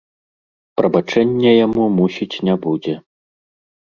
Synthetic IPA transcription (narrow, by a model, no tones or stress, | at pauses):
pɾɐbat͡ʂɛnʲːɛjamumusʲit͡sʲnʲabud͡zʲɛ